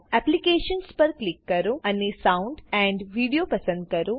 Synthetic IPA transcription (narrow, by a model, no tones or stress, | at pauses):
ɛplikeːʃənspɐɾklikːɐɾoɐnːesaʊ̃ɳɖɛ̃ːɳɖʋiːɖijopɐsə̃nd̪̚kɐɾo